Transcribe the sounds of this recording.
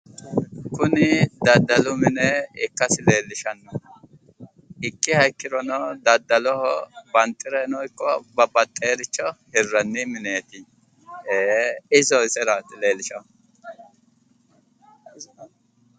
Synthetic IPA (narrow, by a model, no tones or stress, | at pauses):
kʊnɪd̪ɐd̪ːɐlʊmɪnɛɪkːɐsɪleːlːɪʃɐnːɔ | ɪkːɪhɐjkːɪɾɔnɔd̪ɐd̪ːɐlɔhɔbɐnt̪ʼːɪɾɛnɔjkːɔbɐbɐt̪ʼːeːɾɪt͡ʃːɔhɪrːɐnːɪmɪneːt̪ɪ | eːɪzɔɪsɛɾɐt̪ɪleːlːɪʃɐ